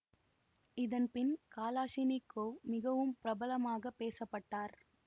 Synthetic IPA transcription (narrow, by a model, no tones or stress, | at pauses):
ɪðɐnpɪnkaːlaːʂinɪkːoːmɪɣɐʋɯmpɪɾɐbɐlɐmaːɣɐpːeːsɐpːɐʈːaːɾ